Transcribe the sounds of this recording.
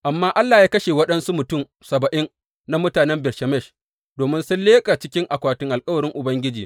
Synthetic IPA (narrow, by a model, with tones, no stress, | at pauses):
ʔa˨mːaː˦ʔa˦lːaː˨jaː˦kɐ˦ʃeː˨wɐ˦ɗɐ˦nsu˦mʊ˨tʊ˦˨m | sɐ˨bɐ˨ʔɪ˦n | na˦mʊ˦taː˨nɛ˦mbɪ˨rʃɛ˨mɛ˦˨ʃ | doː˨mɪ˦nsʊ˦nleː˦kʼaː˨t͡ʃɪ˦kʲɪ˦ŋʔa˨kʷaː˨tɪ˦ŋʔa˨lkʼɐ˦wɐ˨ɽɪ˦ŋʔʊ˨bɐ˦ŋɡʲɪ˦d͡ʒiː˨